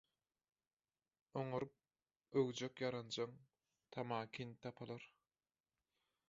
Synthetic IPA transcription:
oŋuɾup̚ | øwd͡ʒøkjɑɾɑnd͡ʒɑŋ | t̪ʰɑmɑːkʲʰint̪ʰɑpʰɑlˠɑɾ

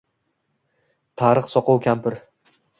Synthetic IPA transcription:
t̪ʰaɾɨχsɒqɒwkʲʰampʰɪɾ

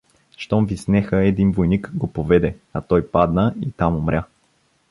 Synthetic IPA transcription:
ʃt̪ɔmvisnɛxəɛd̪invojnikɡopovɛd̪ɛɐt̪ɔjpad̪nəit̪amomɾʲja

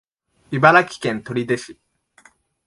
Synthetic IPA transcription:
ibaɾakʲi̥kẽ̞nt̪o̞ɾʲid̪e̞ɕi̥

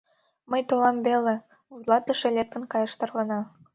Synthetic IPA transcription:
məjt̪olɑmbele | vujlˠɑt̪ə̆ʃelʲek̚t̪ə̆nkɑjɤʃt̪ɤrlɤ̆nɑ

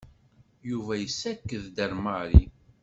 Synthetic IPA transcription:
juvæjəsːækːəðd̪əɾmaɾḭ

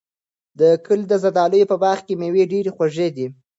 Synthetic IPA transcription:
d̪əkəld̪əzad̪ɑləjopəbɑɾxkemeweɖeɾexwaʒed̪i

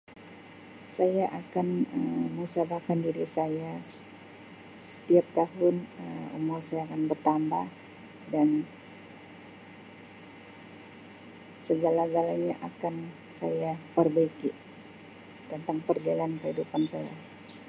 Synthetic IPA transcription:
sajaʔakanəmməuŋsabahkandiɾisaja | sə̥t̪iap̚t̪aɦʊnəṵmʊrsajaːkanbərt̪ambah | dan | səɡalaɡalaɲaʔakan | sa̰japərbaiki | dant̪aŋpərd͡ʒalankəhidupansaja̰

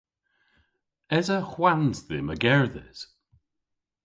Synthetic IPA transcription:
ɛzəxwanzðɪ̰məɡɛɹðɪ̰z̥

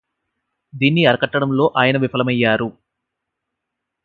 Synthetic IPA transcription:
d̪iːnːiɐɾɐkɐʈːɐɽɐmlo̞ːʔaːjɐnɐʋipʰɐlɐmɐjːaːɾu

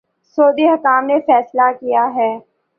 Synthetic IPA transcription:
soːd̪iɦɐkaːmnefɛːslakijaɦɛː

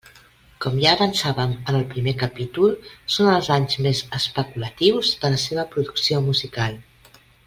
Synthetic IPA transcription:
kɔmʒaːβənsaβəmənəlˠpɾimekəpit̪ulˠsonəlˠzaɲzmezəspəkulət̪iwzðələseβ̞əpɾuðuksiomuzikalˠ

